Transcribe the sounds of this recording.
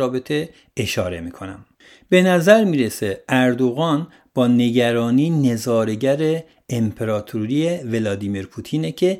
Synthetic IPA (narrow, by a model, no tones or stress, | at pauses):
ɒːbe̞t̪ʰe̞ | eʃɒːɾe̞̰mikʰo̞næ̰m | be̞næzæɾmiːɾe̞seʔæɾd̪o̞ɣɒːn | b̥ɒːne̞ɟæɾɒːniːne̞zɒːɾe̞ɟæɾeː | mpʰe̞ɾɒːt̪ʰuɾijevelɒːd̪iːmiɾpʰuːt̪ʰiːnecʰe̞